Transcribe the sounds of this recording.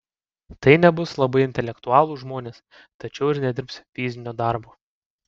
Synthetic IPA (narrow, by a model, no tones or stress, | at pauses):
t̪ɐɪnʲɛbʊslˠɐbɐɪɪnʲt̪ʲɛlʲɛkt̪ʊɑːlˠuːʒmoːnʲeːs | t̪ɐt͡ʃʲɛʊɪɾnʲɛd̪ʲɪɾpsʲfʲizʲɪnʲoːd̪ɑˑɾboː